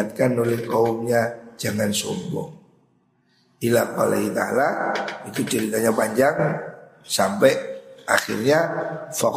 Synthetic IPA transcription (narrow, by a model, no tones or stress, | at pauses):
at̪̚kanolɛhkaumɲad͡ʒaŋansɔ̰mbʊ̰ŋ | ilahka̰lait̪a̰laik̪ut͡ʃəɾit̪aɲapaɲd͡ʒaŋsampɛaxḭrɲafa